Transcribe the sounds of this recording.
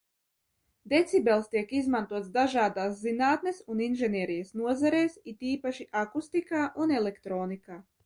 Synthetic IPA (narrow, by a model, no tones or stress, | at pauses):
d̪et̪sʲibɛlˠst̪iɛkizmant̪uɔt̪sd̪aʒaːd̪aːs̬zinaːt̪nesuninʒɛniɛɾijasnuɔzaɾeːsit̪iːpaʃiʔakust̪ikaːʔunɛlekt̪ɾoːnikaː